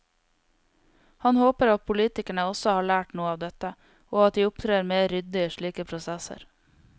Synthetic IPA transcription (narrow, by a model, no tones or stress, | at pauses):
hɑnhoːpəɾɑt̪̚pʰʊliːt̪ɪkæɳəɔsɔhɑːɭæːʈnuːəɑːʋd̪ɛt̪ə | oːɑt̪̚d̪iːʊpt̪ʰɾeːɾmeːɾʏd̪ɪəʃɭiːkəpʰɾʊsɛsə̰ɾ